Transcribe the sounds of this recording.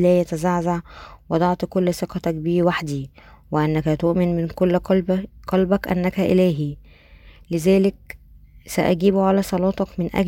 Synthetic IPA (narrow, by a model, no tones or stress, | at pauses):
læːjæt̪æzaʕzaʕwʔɑd̪ˤɑʕt̪ˤkolːseqɑt̪ækbiːwaħd̪iːwɪʔænːækæt̪oʔmɪnmɪnkolːqɑlbækʔæ̰nːækæʔɪ̰læːɦi | lezæːlek̚sæʔæɡiːbuʕalæːsˤɑlɑːt̪ˤɑkmenʔæ̰ɡ